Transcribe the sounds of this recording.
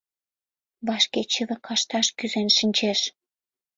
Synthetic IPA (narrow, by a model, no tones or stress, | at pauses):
βɑʃket͡ɕələ̆kɑʃt̪ɑʃkyzenʃənʲt͡ɕeʃ